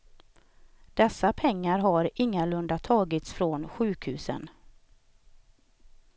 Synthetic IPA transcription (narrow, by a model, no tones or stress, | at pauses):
d̪̥ɛsːapʰɛŋːaɾɦaɾɪŋːalɵnd̪at̪ʰɑːɡɪt̪sfɾɔnɧʉ̟ːkhʉ̟ːsə̰n